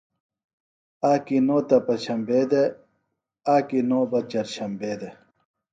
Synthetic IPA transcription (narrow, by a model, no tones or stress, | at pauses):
aːkinoːt̪ɐpɐɕʰɐmbeːd̪e | aːkinoːbɐt͡ɕɐɾɕʰɐmbeːd̪e